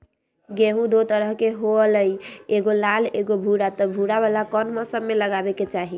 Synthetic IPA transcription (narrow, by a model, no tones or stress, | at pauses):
ɡeɦũd̪ot̪əɾəɦkeɦoələjeɡolaleɡobʱuɽat̪ɔbʱuɽaβalakɔnməsəbmeləɡabɛket͡ʃaɦi